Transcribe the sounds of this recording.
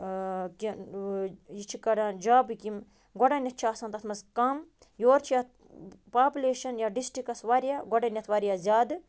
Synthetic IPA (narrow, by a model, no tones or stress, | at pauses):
ki | jit͡ʃʰikɐɽãːd͡ʒaːbɨkim | ɡɔɖanʲɐt̪̚ʰt͡ʃʰiaːsɐnt̪ɐt̪ʰmɐzkɐm | joːɾt͡ʃʰijɐt̪̚ | paːpʲuleːʃɐnjaɖisʈɾikɐsʋaɾjaːɡɔɽanʲɐt̪ʰʋɐɾijaːzʲaːd̪ɨ